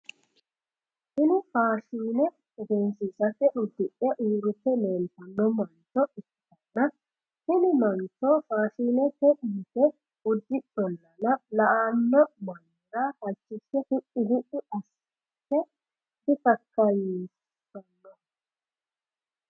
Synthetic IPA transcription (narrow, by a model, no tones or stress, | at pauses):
ɪnɪfaːʃiːnɛ | ʊɡensɪsɐkːɛʔʊd̪ːɪʔɛʔuːɾʊt̪ːɛleːnt̪ːɐnːɔmɐnt͡ʃːɔʔɪt | ɐnːɐ | hɪnɪmɐnt͡ʃːɔfaːʃiːnɛkɛʔitːɛ | ʊd̪ːɪᶑɔnːɐnɐlɐʔanːɔmɐnː | ɪɾahɐt͡ʃːɪsɛhɪʔɪhɪʔɪʔɐs | tːɛ | tɪt̪ɐkːɐjis | ɐnːɔ